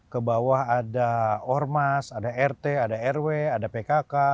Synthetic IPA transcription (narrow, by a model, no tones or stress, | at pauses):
kəbawahadaɔrmasadaɛrt̪eadaɛrweadapekaka